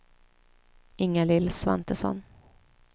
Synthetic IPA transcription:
ɪŋːalɪlsva̰nt̪əsɔ̰n

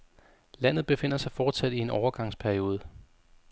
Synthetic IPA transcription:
læn̰ð̩ˠb̥e̝fe̝n̰ɐsɑ̈ɪfɒːd̥sæd̥ie̝nɒʊɐɡ̥ɑ̈ŋspʰæɐio̝ːð̞ˠə

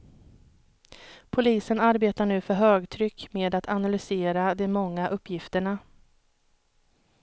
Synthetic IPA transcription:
pʰʊliːsənaɾbeːt̪aɳʉ̟ːfœɾɦøːɡt̪ʰɾʏkːmeːd̪at̪ʰanalʏseːɾad̪ɛmɔŋːaʔɵpːjɪft̪əɳa

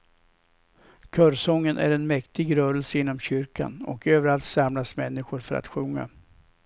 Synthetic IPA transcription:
kʰœɾsɔŋːənʔæ̰ɾɛnmɛkt̪ɪɡɾœːɾəlsəɪnːɔmɕʏɾka̰nɔ̰køːvəɾalt̪samlasmɛnːɪɧʊɾfœɾa̰t̪ɧɵŋːa̰

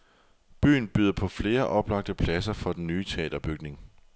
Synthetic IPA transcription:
b̥y̰ːn̩b̥yːð̞̰ˠɐpʰɒ̽fle̝ːɐʔɒ̽b̥lɑ̈ɡ̥̚d̥əpʰlæsɐfɒ̽d̥enːyːt͡sʰe̝ɛ̰ːd̥ɐb̥yɡ̥ne̝ŋ

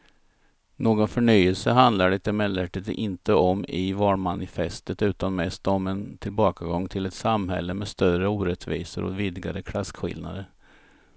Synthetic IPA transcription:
noːɡɔnfœɳyjəlsəɦand̪laɖɛt̪ɛmɛlɛʈɪt̪ɪnt̪əɔmɪvɑːɳmanɪfɛst̪ət̪ʉ̟ːt̪anmɛst̪ɔmɛnt̪ʰɪlbɑːkaɡɔŋːt̪ʰɪlɛt̪samɦɛ̰lːəmɛst̪œəuːɾɛt̪vḭːsə̰ɾʔɔ̰vɪd̪ɪɡaɾəkʰlaskɧɪ̰lna̰d̪əɾ

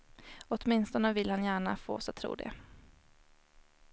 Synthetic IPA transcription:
ɔt̪mɪnst̪ɔnəvɪlːhanjæːɳafo̰ːsat̪ʰːɾṵːd̪ɛ̰

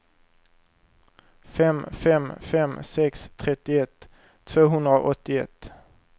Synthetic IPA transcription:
fɛmfɛmfɛmsɛkst̪ʰɾɛt̪ɪɛt̪ʰ | voːɦɵnd̪ɾo̰ːʔɔt̪ːɪɛ̰t̪

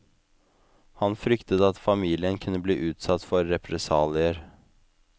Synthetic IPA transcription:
hɑnfɾʏkt̪ət̪ɑt̪fɑmiːlɪənkʰʉnːəbliːʔʉːt̪sɑt̪fɔɾːɛpʰɾɛsɑːlɪəɾ

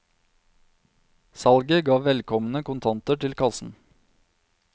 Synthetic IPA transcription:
sɑlɡəɡɑːʋɛlkʰɔmn̩əkʊnt̪ʰɑnt̪əʈʰɪlkʰɑsn̩

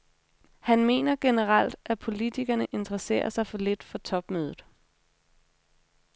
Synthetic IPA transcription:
hænme̝̰ːnɐɡ̥e̝nəʁɑl̰d̥æpʰo̝lit͡sʰiɡ̥ɐnəʔe̝nd̥əʁɐse̝̰ːɐsɑ̈ɪfɒ̽le̝d̥fɒ̽t͡sʰɒ̽b̥møːð̞ˠð̩ˠ

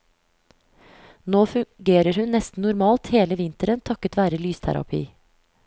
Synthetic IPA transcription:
noːfʉɡeːɾəɾhʉnnːɛst̪n̩nʊɾmɑːlt̪heːləʋɪnt̪əɾənt̪ʰɑkːət̪ʋæːɾəlyːst̪ʰæ̰ɾɑ̰pʰḭː

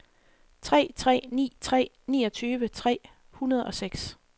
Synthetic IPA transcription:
t͡sʰʁɛ̰ːt͡sʰʁɛ̰ːnḭːt͡sʰʁɛ̰ː | niːɒ̽t͡sʰyːʋət͡sʰʁɛ̰ː | hunɐð̞ˠɒ̽seɡ̥s

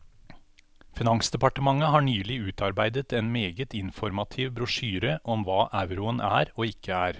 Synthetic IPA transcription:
fɪnɑŋsd̪ɛpɑʈəmɑŋːəɦɑːɳyːlɪʉːt̪ʰɑɾbæɪd̪ət̪ɛːnmeːɡət̪ɪnfɔɾmɑt̪ʰiːʋbɾʊʂyːɾəʔɔmʋɑːʔæʉɾʊənʔæ̰ːɾoːɪkʰːəæːɾ

